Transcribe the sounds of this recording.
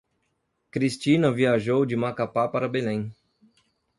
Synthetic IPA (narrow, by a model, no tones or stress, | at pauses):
kɾist͡ʃinɐviaʒowd͡ʒɪmakapapaɾɐbelẽj̃